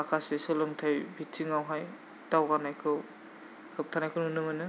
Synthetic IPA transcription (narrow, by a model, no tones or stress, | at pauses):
akʰasesɔlɔmtʰajbʱitʰiŋawɦaj | tawɡanajkʰɯw | hɯp̚tʰanajkʰɯnunɯmɯnɯ